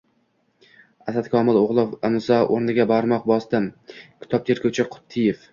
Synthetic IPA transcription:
asat̪kʰɒmɪlˠoʁlˠɪfɪmzɒʔoɾnɪɡʲabaɾmɒq̚bɒsd̪ɪmkʲʰɪ̥t̪ʰɒp̚t̪ʰeɾkʰʲʊt͡ʃʰɪqʰʊ̥t̪ʰːɪjef

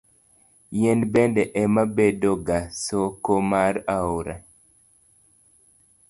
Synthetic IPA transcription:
jenbɛndɛʔɛmabedoɡasokomaɾauɾa̰

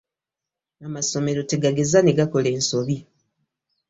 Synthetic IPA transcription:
amaso̞me̞ɾo̞teɡaɡe̞zaneɡako̞le̞ːnsoβi

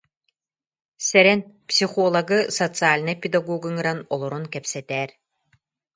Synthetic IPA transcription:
sɛɾɛnpsʲiχɔlˠɐɡɯsɔt̪t͡sɨaːlʲnɯpʲid̪ɐɡɔɡɯŋɯɾanɔlˠɔɾunkɛpsɛt̪ɛːɾ

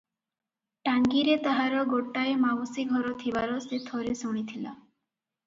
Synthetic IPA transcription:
ʈaŋɡiɾet̪aɦaɾɔɡoʈːaemawosiɡʱɔɾɔt̪ʰibaɾɔset̪ʰɔɾesɔɽ̃it̪ʰila

